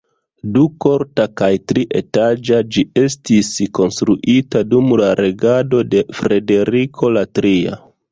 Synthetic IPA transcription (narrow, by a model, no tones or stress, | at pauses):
duko̞ɾtakajtɾiʔe̞tad͡ʒad͡ʒie̞stisko̞nstɾuʔitadumlaɾe̞ɡado̞de̞fɾe̞de̞ɾikʰo̞latɾia̰